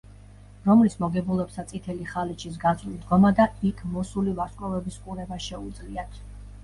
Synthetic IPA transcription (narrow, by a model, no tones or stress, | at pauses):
ɾɔmlismɔɡɛbulˠɛpsat̪sʼit̪ʰɛliχalit͡ʃʰis̬ɡazlid̪ɡɔmad̪aikʰmɔsulivaɾkʼɾɔvɛbiskʼuɾɛbaʃɛud̪zliat̪ʰ